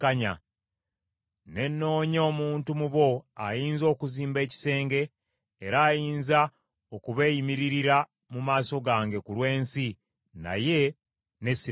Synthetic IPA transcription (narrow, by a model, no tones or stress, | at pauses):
kaɲa | ne̞nːo̞ːɲo̞ːmuːntumuβo̞a̰jiːnzo̞ːkuziːmbe̞ːci̥se̞ːŋɡe̞ː | ɾaːjiːnza | okuβe̞ːjimiɾiɾiɾa | mumaːso̞ɡaːŋɡe̞kulwe̞ːnsi | na̰je̞ | ne̞si